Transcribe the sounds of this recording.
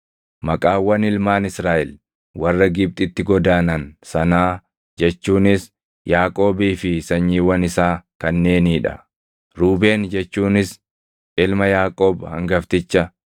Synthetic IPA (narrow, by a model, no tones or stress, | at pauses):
mɐkʼaːwɐnɪlmaːnɪsɾaːʔɛl | wɐrːɐɡɪb̚t̪ʼɪt̪ːɪɡɔd̪aːnɐnsɐnaː | d͡ʒɛt͡ʃːuːnɪs | jaːkʼo̞ːbiːfɪsɐɲːiːwɐnɪsaːkɐnːe̞ːniːᶑɐ̰ | ɾuːbe̞ːnd͡ʒɛt͡ʃːuːnɪs | ʔɪlmɐjaːkʼoːbhɐ̰ŋɡɐft̪ɪt͡ʃːɐ